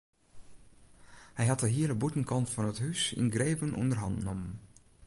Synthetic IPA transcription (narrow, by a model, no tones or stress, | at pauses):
hɛjɦɑtəɦiːəɹdəbutən̩kɑntfɔnəthysɪ̰nɡreːvənʔɔ̰ndərɦɑ̰ntnɔmən